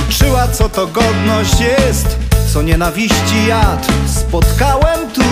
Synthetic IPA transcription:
t͡ʂɘwat̪sɔt̪ɔɡɔd̪nɔɕt͡ɕjɛst̪t̪sɔɲɛnavʲiɕt͡ɕijat̪spɔt̪kawɛmt̪u

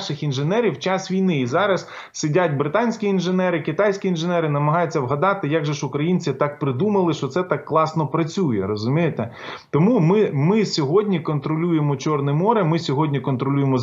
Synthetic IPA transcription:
ʃɪxinʒenɛɾʲiwt͡ʃɑsʋʲijnɪizɑɾɐs | sɪdʲatʲbɾɪt̪ɑnʲsʲkʲiːnʒenɛɾɪkɪt̪ɑjsʲkʲiinʒenɛɾɪnɐmɐɦɑjʊt͡sʲːɐwɦɐd̪ɑt̪ɪjaɡʒɛʃʊkɾɐjinʲt͡sʲit̪ɑk̚pɾɪd̪umɐlˠɪʃt͡ʃɔt̪sɛt̪ɑkːlˠɑsnɔpɾɐt͡sʲujɛ̰ɾɔzʊmʲijet̪ɛ | t̪ɔmumɪmɪsʲɔɦɔdʲnʲikɔnt̪ɾɔlʲujemɔt͡ʃɔrnɛmɔɾɛmɪsʲɔɦɔdʲnʲikɔnt̪ɾɔlʲujemɔ

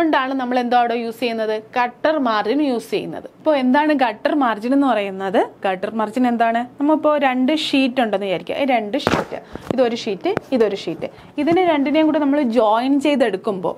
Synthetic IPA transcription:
oɳɖaːɳɨnɐmːɐɭe̞nd̪aːʋɽejuːst͡ɕe̞junːɐðɨɡ̥ɐʈːɐrmaːrd͡ʑinjuːst͡ɕejunːɐ̰ðɨipːo̞ːe̞nd̪aːɳɨɡɐʈːɐrmaːrd͡ʑine̞nːɨpɐrɐjunːɐðɨɡ̥ɐʈːɐrmaːrd͡ʑine̞nd̪aːɳɨnɐmːɐɭipːo̞ːɾe̞ɳɖɨʂiːtːuɳɖenːʋijaːjɾikʲːṵʔiɾeɳɖɨʂḭːtːɨ̰iðo̞ɾuʂiːtːɨiðo̞ɾuʂiːtːɨ̰ | iðinɨɾe̞ɳɖinjeŋkuːɽinɐmːɐɭd͡ʑoːjnt͡ɕe̞jt̪e̞ɽukːumbo̞̰ː

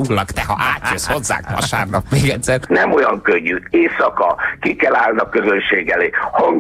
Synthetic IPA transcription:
uɡlɒkt̪ɛɦɒ̰ʔaːt̪jøsho̞zːa̰ːkɒ̰ʃaːrnɒkmeːɡɛt̪sɛrnɛmo̞jɒŋkøɲːyeːsɒkɒkikɛlaːlnɒkːøzønʃeːɡɛleːhɒŋ

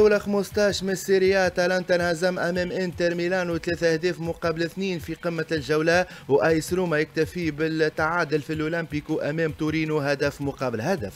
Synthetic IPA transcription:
awlaxmʊst̪ɑːʃmɪsːiɾɪjat̪ɑlant̪ɑnazæmʔæmɛːmʔɪnt̪ɛɾmilɑːnut̪lɛːθæhd̪ɛːfmʊqɑːbəlɪθniːnfiqəmːalʒawlæ | wʔæjsɾuːmajɪk̚t̪ɪfibɪlt̪ːaʕaːd̪ɪlfilʔulɪmpikuʔæmɛːmt̪uɾiːnuɦæd̪æfmʊqɑːbəlhæd̪æf

